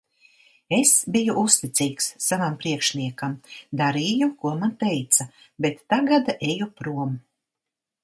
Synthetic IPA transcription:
esbijuʔust̪it̪siːksːavampɾiɛkʃniɛkamd̪aɾiːjukuɔmant̪ɛjt̪sa | bet̪ːaɡad̪aʔejupɾuɔm

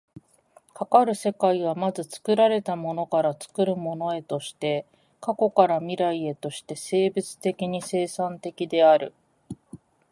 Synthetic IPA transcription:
kakaɾɯ̟se̞kaiβamazɨt͡sɨ̥kɯ̟ɾaɾe̞t̪amo̞no̞kaɾat͡sɨ̥kɯ̟ɾɯ̟mo̞no̞e̞t̪o̞ɕi̥t̪e̞ | kako̞kaɾamʲiɾaie̞t̪o̞ɕi̥t̪e̞se̞ːbɯ̟t͡sɨ̥t̪e̞kʲiɲ̟ise̞ːsãnt̪e̞kʲid̪e̞aɾɯ̟̰

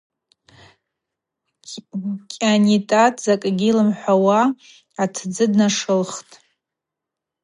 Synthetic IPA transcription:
kʲʼanitʼatʼzakʼɡʲilɨmħʷawaː | tʰd͡zɨdnaʂɨlχtʼ

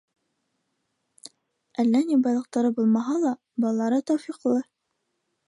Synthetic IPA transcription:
ælːænibɑjlˠɤ̆q̚t̪ɑɾɤbulˠmɑɦɑlˠɑ | bɑlˠːɑɾɤt̪ɒwfiqlˠɤ

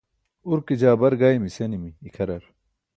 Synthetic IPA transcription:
uɾkid͡ʑaːbɐɾɡaːimisenimiːkʰɐɾɐɾ

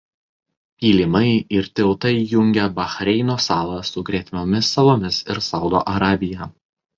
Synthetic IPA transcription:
pʲiːlʲɪmɐɪɪɾt̪ʲɪlˠt̪ɐɪjʊŋʲɡʲɛbɐxɾʲɛɪnoːsɑːlˠɐsʊɡɾʲiɛt̪ʲmʲoːmʲɪsːɐlˠoːmʲɪsɪɾsɒʊd̪o̰ːʔɐɾɑːbʲɪjɛ

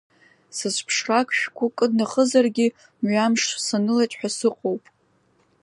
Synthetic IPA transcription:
sɨzʷpʰʂrakʷʰʃᶣkʷʰʊkʼɨdnaχəzarɡʲi | mɥamʂsanɨlatʼħʷᶣasɨqʼowpʼ

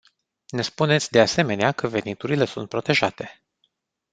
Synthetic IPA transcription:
ne̞spune̞t̪sʲd̪e̞ase̞me̞neakəve̞nit̪uɾile̞sunt̪̚pɾo̞t̪e̞ʒat̪e̞

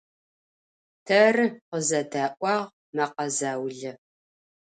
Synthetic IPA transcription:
tʰɐrqəzɐdaːʔʷɑːʁ | mɐqɐzaːwɮɐ

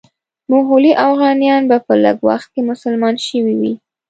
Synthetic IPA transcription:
mʊɦuliʔafɣɑnijɑnbapələ̰ɡwa̰xt̪̚kemʊsəlmɑnʃəwiwi

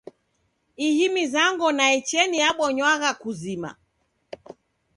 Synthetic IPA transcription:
ihimizaŋɡɔnaɛt͡ʃɛnijaɓɔɲwaɣakuzima̰

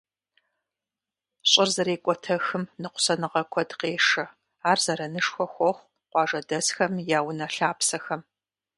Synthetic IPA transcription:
ɕʼɪrzɐɾeːkʷʼɔtʰɐxɨmnɨqʷʊ̥sɐnɨʁɐkʷʰɔdqeːʂɐ | aːrzɐɾɐnɨʂxʷɔxʷɔχʷ | qʷɑːʒɐdɐsxɐmjaːwnɐɬaːpsɐxɐm

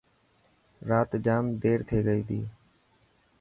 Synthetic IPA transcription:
ɾaːt̪d͡ʒaːmd̪eːɾt̪ʰeːɡəiːd̪ḭː

